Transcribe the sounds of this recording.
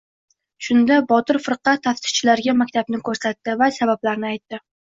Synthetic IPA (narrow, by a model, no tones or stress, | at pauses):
ʃʊnd̪abɒt̪ɪɾfɨɾqɑt̪ʰːaft̪ɪ̥t͡ʃʰɪlaɾɡʲamakʲt̪ʰabnɪkʰɵɾsat̪ːɪvasabablaɾnɪajt̪ːɪ